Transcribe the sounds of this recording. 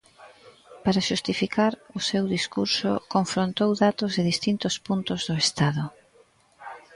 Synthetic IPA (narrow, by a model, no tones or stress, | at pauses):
paɾaʃust̪ifikaɾʊsewðiskuɾsʊ̰koɱfɾont̪owðat̪ʊzðɪðist̪int̪ʊspunt̪ʊzðʊest̪aðʊ